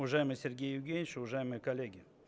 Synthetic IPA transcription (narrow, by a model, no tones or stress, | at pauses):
ʊvaʐajɪməjsʲerɡʲejɪɡʲenʲɪʃʊvaʐajɪmɨjəkɐlʲːeɡʲɪ